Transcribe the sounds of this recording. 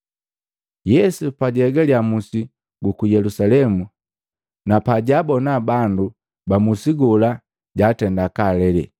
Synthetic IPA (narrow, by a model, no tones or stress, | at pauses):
jɛsupaɟɛɡaljamusi | ɡukujɛlusalɛmu | napaɟabɔnabandu | bamusiɡɔla | ɟatɛndakalɛlɛ̰